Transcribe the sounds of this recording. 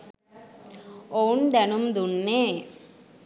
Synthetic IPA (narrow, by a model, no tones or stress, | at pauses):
oːnd̪ɐnɯmd̪unːeː